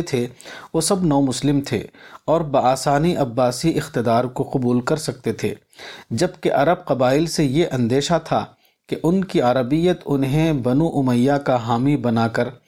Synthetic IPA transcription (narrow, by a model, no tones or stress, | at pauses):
t̪ʰeʋoːsɐbnɔːmʊslɪmt̪ʰḛːɔːɾbɐaːsaːniʔɐbːaːsiʔɪxt̪ɪd̪aːɾkoqʊbuːlkɐɾsɐk̚t̪et̪ʰḛː | d͡ʒɐbkeʔɐɾəb̚qɐbaːɪlsejeʔɐ̃nd̪eːʃat̪ʰa̰ | keʔʊnkiaɾəbijət̪ʊnɦẽbɐnuʔʊməjːakaɦaːmibɐnaːkɐɾ